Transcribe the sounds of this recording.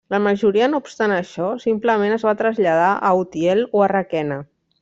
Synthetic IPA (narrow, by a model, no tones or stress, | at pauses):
ləməʒuɾiənoupst̪anəʃɔsimpləmenəzβat̪ɾəzʎað̞aʔəut̪iɛloərakɛnə